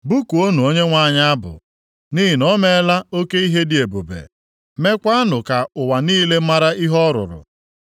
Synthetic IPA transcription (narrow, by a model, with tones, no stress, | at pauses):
bu˦ku˨o˦nu˨o˦ɲe˦ŋʷa˦˨ɲa˦a˦bʊ̰˨ | ni˦ɦi˨nɔ˦me˦˨˦la˦o˦ke˦i˦ɦe˦dɪ˨e˨bo˨bḛ˨ | me˦kʷa˦a˦nʊ˨ka˨ʊ˨wa˨niː˦le˦ma˦ɾa˦i˦ɦɔ˦ɾʊ̰˨ɾʊ̰˨